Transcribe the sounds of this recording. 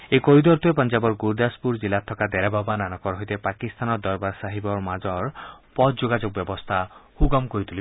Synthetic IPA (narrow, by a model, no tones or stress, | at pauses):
ekoɾid̪ɔɾt̪uepɔnd͡ʒabɔɾɡuɾd̪aspuɾd͡ʒilat̪ʰːɔkad̪ɛɾababananɔkɔɾɦojt̪epakist̪ʰanɔd̪ɔɾbaɾsaɦibɔɾmad͡ʒɔɾpɔd̪d͡ʒoɡad͡ʒok̚bjɔbɔst̪ʰahuɡɔmkoɾit̪ʰuli